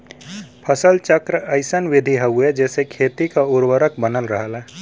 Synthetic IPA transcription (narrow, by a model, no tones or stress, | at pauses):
pʰəsəlt͡ʃəkɾəəɪsənʋɪd̪ʱiɦəɦued͡ʒɛːsekʰeːt̪ikauɾwəɾəkbənəlɾəɦəla